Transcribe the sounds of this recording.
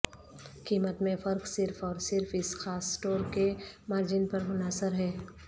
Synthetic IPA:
kiːmət̪mẽfɐɾksɪɾfʰɔːɾsɪɾfʰɪsxaːsːʈoːɾkemaːɾd͡ʒɪnpɐɾmʊnaːsəɾɦɛː

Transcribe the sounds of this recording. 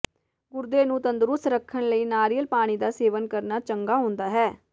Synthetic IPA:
ɡʊɾd̪eːnũːt̪ənd̪əɾʊst̪ɾəkʰːəɳləiːnaːɾijəlpaːɽ̃iːd̪aːseːʋənkəɾnaːt͡ʃəŋɡaːɦõːnd̪aːɦɛː

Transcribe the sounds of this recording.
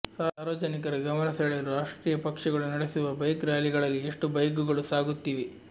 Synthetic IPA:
saːɾʋɐd͡ʒɐnikɐɾɐɡɐmɐnɐsɐɭeɾuɾaːʂʈɾiːjɐpɐkʂɐɡɐɭunɐɽesuʋɐbɐjkɾaːliɡɐɭɐlːieʂʈubɐjk̬uɡɐɭusaːɡut̪ːiːʋi

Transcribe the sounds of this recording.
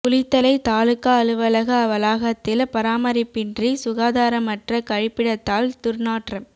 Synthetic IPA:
kʊlɪt̪ːɐlɐɪt̪aːlɯkːaɐlɯʋɐlɐɣɐɐʋɐlaːɣɐt̪ːɪlpɐɾaːmɐɾɪpːɪndrisʊɣaːðaːɾɐmɐʈrɐkɐɻɪpːɪɽɐt̪ːaːlt̪ʊɾnaːʈrɐm

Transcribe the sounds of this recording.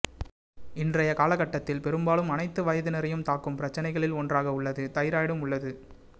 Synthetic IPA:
ɪndrɐjɐkaːlɐɣɐʈːɐt̪ːɪlpɛɾɯmbaːɭɯmɐnɐɪt̪ːɯʋɐjɐðɯnɪɾɐjɯmt̪aːkːɯmpɪɾɐt͡ʃːɐnɐɪɣɐɭɪlɔndraːɣɐʊɭːɐðɯt̪ɐjɪɾaːjɽɯmʊɭːɐðɯ

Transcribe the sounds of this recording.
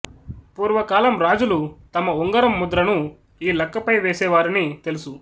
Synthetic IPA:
puːɾʋɐkaːlɐmɾaːd͡ʒulut̪ɐmɐuŋɡɐɾɐmːud̪ɾɐnu | iːlɐkːɐpɐjʋeːsɛːʋaːɾinit̪e̞lusu

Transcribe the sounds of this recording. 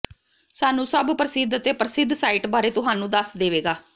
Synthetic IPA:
saːnũːsəbpɾəsɪd̪ət̪eːpɾəsɪd̪saːiːʈbaːɾeːt̪ʊɦaːnũːd̪əsd̪eːʋeːɡaː

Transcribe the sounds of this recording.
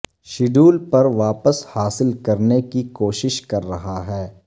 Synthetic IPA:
ʃɪɖuːlpɐɾʋaːpəshaːsɪlkɐɾnekikoːʃɪʃkɐɾːɐɦaɦɛː

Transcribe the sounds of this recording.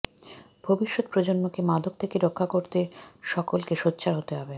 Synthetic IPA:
bʱobiʃːot̪pɾod͡ʑonːokemad̪ʱok̚t̪ʰekeɾokʰːakoɾt̪eʃɔkolkeʃot̪ːɕʰaɾɦot̪eɦɔbe

